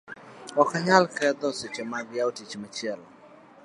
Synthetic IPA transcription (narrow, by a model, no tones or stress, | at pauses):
ɔkaɲalkɛd̪ɔset͡ʃemaɡjaotit͡ʃmat͡ʃiɛlɔ